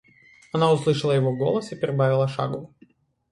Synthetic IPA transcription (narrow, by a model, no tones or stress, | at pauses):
ɐnaʊslˠɨʂɨlˠəjɪvoɡo̰lˠəsɨpʲɪɾʲɪbavʲɪlˠəʂa̰ɡʊ